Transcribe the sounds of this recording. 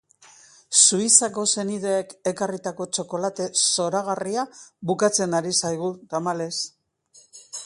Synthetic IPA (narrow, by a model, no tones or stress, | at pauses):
suisako̞se̞niðe̞ːkekarit̪ako̞t͡ʃo̞ko̞lat̪e̞so̞ɾaɣ̞ariaβukat͡se̞naɾisajɣ̞ut̪amale̞s